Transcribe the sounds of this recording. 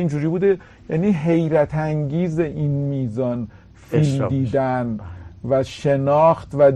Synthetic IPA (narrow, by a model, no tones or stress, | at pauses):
ind͡ʒuːɾiːbuːd̪e | jæːniːɦe̞jɾæt̪ʰæŋɡiːzeʔinmiːzɒːn | filmd̪iːd̪ænvæʃenɒːxt̪væd